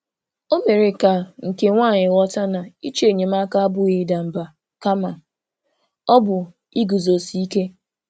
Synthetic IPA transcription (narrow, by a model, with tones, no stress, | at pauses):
o˦me˨ɾe˨ka˨ŋ̩˨ke˦ŋʷaː˦˨ɲɪ˨wɔ˦ta˦na˨i˦t͡ʃe˨ɲe˨ma˦ka˦a˦bʊ˦ɣi˨da˨m̩˨ba˨ | ka˦ma˨ | ɔ˦bʊ˨ | i˦ɡu˨zo˨si˦i˦ke˦